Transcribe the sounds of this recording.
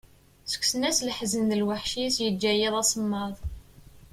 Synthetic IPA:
sə̥kʷːsənæslħzənðəlwaħʃisjəd͡ʒːæjiðˤɑsˤəmːɑðˤ

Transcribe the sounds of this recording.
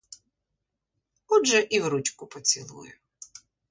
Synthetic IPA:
ɔʒɛʔiwɾut͡ʃkʊpɔt͡sʲḭlˠṵjʊ̰

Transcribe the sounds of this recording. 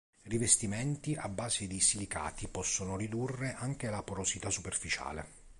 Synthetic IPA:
rivest̪imɛnt̪iʔabːaːzed̪isilika̰ːt̪ipɔsːonorid̪urːeʔaŋk̟elapoɾosit̪asːuperfit͡ʃa̰ːlḛ

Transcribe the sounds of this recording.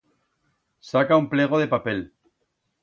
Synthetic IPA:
sakaumpleɣ̞oð̞epapel

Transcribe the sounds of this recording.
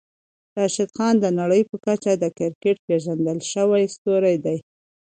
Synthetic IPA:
t̪ɑʃɪd̪xɑnd̪ənaɽəjpəkat͡ʃad̪əkɪɾkeʈ̚peʒand̪əlʃəwajst̪oɾajd̪aj

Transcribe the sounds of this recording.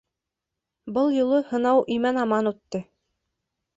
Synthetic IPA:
bɤlˠjŏlˠɤhɤ̆nɑwʔimænɑmɑnut̪ːɤ

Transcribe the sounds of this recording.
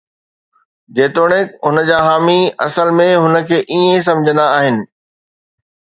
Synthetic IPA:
d͡ʑeːt̪oːɽ̃ekɦʊnəd͡ʑaːɦaːmiɐ̰səlmẽɦʊnə̆kʰeːʔiẽs̬ɐ̃md͡ʑʱə̃nd̪aaːɦɪnɪ̆

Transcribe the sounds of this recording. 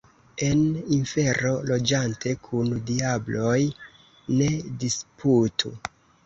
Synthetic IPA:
e̞ninfe̞ɾo̞lo̞d͡ʒantʰe̞kʰundiablo̞j | ne̞dispʰutʰṵ

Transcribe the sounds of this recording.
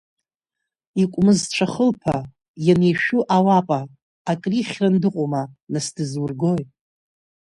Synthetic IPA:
ikʷʼmɨzʈ͡ʂʷʰaχəlpʰa | janejʃᶣuʔawapʼaː | kʼriχʲrandɨqʷʼomanasdɨzwʊrɡojʼ

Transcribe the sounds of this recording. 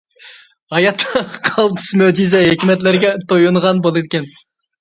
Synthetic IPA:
ɑjɑt̪ʰːɑqʰɑlˠt̪ʰɨ̥smød͡ʒizɛɦekʲimɛt̪̬lɪɾɡʲɛt̪ojunʁɑnbolˠɨd̪ɪkʲʰɛn

